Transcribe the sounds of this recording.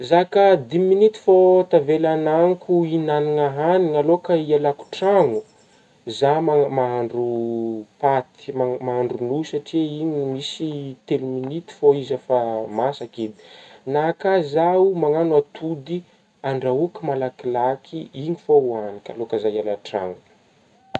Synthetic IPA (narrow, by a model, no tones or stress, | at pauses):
zakad̪iminit̪i̥fot̪avelanaŋkuinaniŋaɦaniŋalokaialaku̥ʈ͡ʂaŋu | zamamaɦaɳɖ͡ʐupat̪i̥mamaaɳɖ͡ʐunusaʈ͡ʂiiɲimisit̪eluminit̪i̥foizafamasaked̪i̥nakazaumaŋanuat̪ʰud̪i | aɳɖ͡ʐaukimalakilakʰiiŋifouanika̰lokazajialaʈ͡ʂa̰ŋu̥